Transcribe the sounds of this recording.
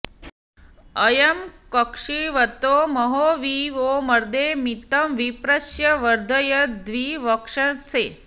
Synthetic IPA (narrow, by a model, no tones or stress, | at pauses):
ɐjɐmkɐkʂiʋɐt̪oːmɐɦoːʋiːʋoːmɐɾd̪eːmit̪ɐmʋipɾɐʃjɐʋɐɾd̪ʱɐjɐd̪ʋiːʋɐkʂɐnseː